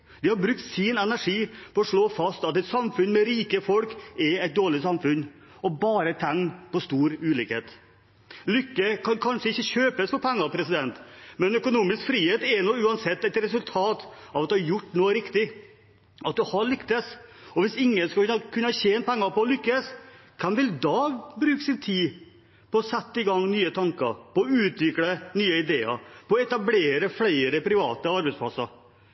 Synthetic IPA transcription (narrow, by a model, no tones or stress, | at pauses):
d̪ɪhɑɾbɾʉk̚t̪sɪnɛnæʂiːpɔɔʂɭoːfɑst̪ɑt̪ɛɪt̪sɑmfʉnmɛɾiːkəfɔlkɛɛɪt̪̚d̪oːɭɪsɑmfʉnː | ɔbɑːɾət̪ʰɛŋpɔst̪uːɾʉːlɪkhḛːt̪ | lʏkːəkʰɑnkʰɑnʂəɪçːəɕøːpəsfɔpʰɛŋːɑpʰɾɛsɪd̪ɛnt̪mɛnœkʊnuːmɪskfɾiːheːt̪ɛnɔʉːɑnsɛt̪ːɛɪt̪ɾɛsʉlt̪ʰɑːt̪ɑʋɑt̪d̪ʉhɑɾjʊʈːnuːəɾɪkt̪ɪ | ɑt̪̚d̪ʉhɑɭʏkt̪əsɔʋɪsɪŋːənskɑkʰʉnːəɑɕeːn̚pʰɛŋːəpɔɔlʏkːəskʰɑnʋɪld̪ɑbɾʉːksɪnt̪ʰiː | pɔɔsɛt̪ːəɪɡɑŋːnyːət̪ʰɑŋkə̰ɾpɔɔʉːt̪ʋɪkɽənyːəɪd̪eːə̰ɾpɔɔɛt̪ɑbleːɾəflæɪɾəpʰɾɪʋɑ̰ːt̪əɑɾbɛɪtspʰlɑsɑ̰ɾ